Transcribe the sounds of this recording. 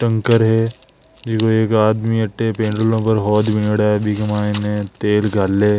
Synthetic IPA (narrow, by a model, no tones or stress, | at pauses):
ʈɐ̃ŋkəɾɦɛ | d͡ʒɪkoeːkaːd̪miɐʈːepẽːɳɖəlõpəɾɦɔːd̪bɪneɽaːbʱikɐmaːɪnẽt̪eːlɡʱaːlːeː